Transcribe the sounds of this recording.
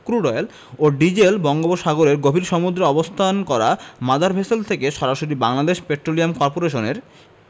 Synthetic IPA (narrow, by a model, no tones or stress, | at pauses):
kɾuɖɔjel | oɖid͡ʑelbɔŋɡoboʃaɡoɾeɾɡobʱiɾʃɔmud̪ɾeɔbost̪ʰankɔɾa̰mad̪aɾbʱeselt̪ʰekeʃɔɾaʃoɾibaŋlad̪eʃpeʈɾoliamkɔɾpoɾeʃoneɾ